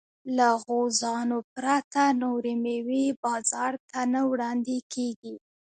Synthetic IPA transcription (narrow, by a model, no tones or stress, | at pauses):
laɣozɑnopɾat̪anoɾimewibɑzɑɾt̪anawɽɑnd̪ekʰeɡi